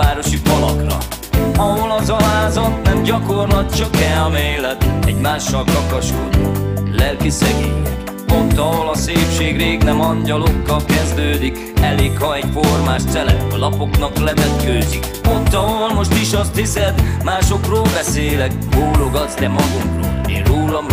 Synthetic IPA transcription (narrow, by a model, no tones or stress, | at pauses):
aːɾo̞ʃifɒlɒ̰krɒ̰ | ɒɦo̞lɒzɒɦaːzɒt̪nɛmɟɒko̞rlɒt̪̚t͡ʃɒkɛlmeːlɛt̪ɛɟmaːʃːɒlkɒkɒʃkod̪i | lɛlkisɛɡi | ot̪ːɒɦo̞lɒseːpʃeːɡreːɡnɛmɒɲɟɒlokːɒlkɛzd̪øːd̪ik | ɛleːkhɒɛcformaːʃt̪sɛlɛ̰t̪ɒlɒpo̞knɒklɛvɛt̪køːzik | ot̪ːɒɦoolmo̞ʃt̪iʃɒst̪hisɛd̪maːʃo̞kroːlbɛseːlɛk̚ | boːlo̞ɡɒzd̪ɛmɒɡuŋkro̰ːlḛːnroːlɒm